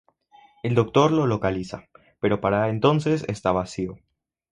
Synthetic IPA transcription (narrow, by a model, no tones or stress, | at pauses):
e̞ld̪o̞k̚t̪o̞ɾlo̞lo̞kalisa | pe̞ɾo̞paɾaent̪o̞nse̞sḛst̪aβasio